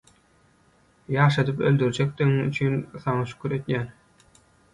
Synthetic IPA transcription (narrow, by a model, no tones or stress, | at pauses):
jɑːʃɑd̪ɯpøld̪yɾd͡ʒɛk̚ʲt̪iɣŋy̰t͡ʃʰynθɑŋɑʃy̥kʰʲyɾet̪jæn